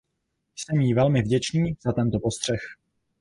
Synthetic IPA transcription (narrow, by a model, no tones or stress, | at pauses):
jsɛmjiːvɛlmɪvɟɛt͡ʃniːz̥at̪ɛnt̪opo̞st̪r̥ɛx